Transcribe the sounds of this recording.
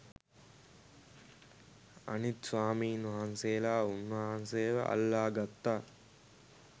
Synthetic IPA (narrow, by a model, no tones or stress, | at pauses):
ɐ̰nit̪saːmiːnɐɦanseːlaːunːɐɦanseːʋɐ̰ʔɐ̰lːaːɡɐt̪ːaː